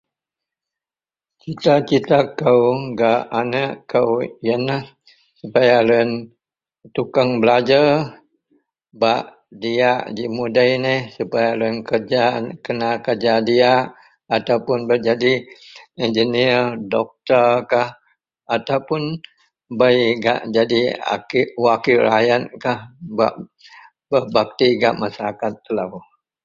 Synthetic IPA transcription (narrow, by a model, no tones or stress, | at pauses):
t͡ʃit̪at͡ʃit̪akəwɡaʔanəʔkəwjənəh | supajalun | t̪ukaŋbəlad͡ʒər | baʔ | diaʔd͡ʒiʔmudəjnəhsupajalənkərd͡ʒakənakərd͡ʒadiaʔ | at̪awpʊnbərd͡ʒadiɛnd͡ʒəniərdɔk̚t̪ərkah | at̪awpʊn | bajɡa̰ʔd͡ʒadia̰kiwakilɾajat̪̚kahba̰ʔ | bəbak̚t̪iɡaʔmasaɾakat̪ːəlaw